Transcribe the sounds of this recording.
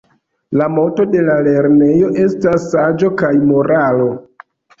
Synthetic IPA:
lamo̞to̞de̞lale̞ɾne̞jo̞ʔe̞stasːad͡ʒo̞kajmo̞ɾalo̞

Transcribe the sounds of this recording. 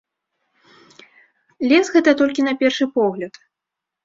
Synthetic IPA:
lʲɛsɣɛt̪ɐt̪ɔlʲkʲinɐpʲɛrʂɨpɔɣlʲɐt̪

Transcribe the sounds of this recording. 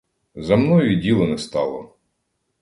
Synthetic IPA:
zɐmnɔjidʲilˠɔnɛst̪ɑlˠɔ̰

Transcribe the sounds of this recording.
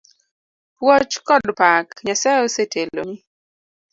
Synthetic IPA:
pwɔt͡ʃkɔdpakɲasajɔsetʰelo̰ni

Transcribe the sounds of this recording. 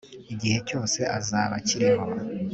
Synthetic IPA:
iɟihe̞co̞ːse̞ʔazaːβaciɾeho

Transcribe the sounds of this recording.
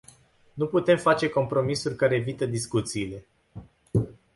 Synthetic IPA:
nuput̪e̞mfat͡ʃe̞ko̞mpɾo̞misurʲkaɾe̞ːvit̪əd̪iskut̪siːle̞

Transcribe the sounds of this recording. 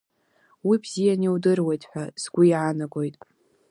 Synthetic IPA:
wibz̥ijaniwdɨrwejtʼħʷᶣaz̥ɡʷʊiʕanaɡo̞jtʼ

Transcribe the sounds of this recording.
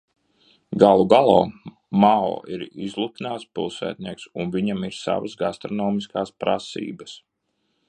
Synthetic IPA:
ɡalˠuɡalˠɔ̰ː | mao̰ːʔiɾizlˠut̪inaːt̪spilˠsæ̰ːt̪̚ʲnʲiɛksunviɲamiɾsa̰vəsɡast̪ɾɔnɔːmiskaːspɾa̰sḭːbəs

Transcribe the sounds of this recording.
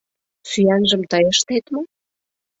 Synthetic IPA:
syænʒə̆mt̪ɑjeʃt̪et̪mo

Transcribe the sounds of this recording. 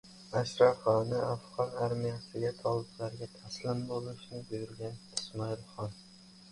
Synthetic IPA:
aʃɾɒfɒnɪafʁɒnaɾmijasɪɡʲat̪ʰɒlˠɪblaɾɡʲat̪ʰaslɪnbolˠɪʃnɪbʊjʊɾɡʲanɪsmɒɪlˠχɒn

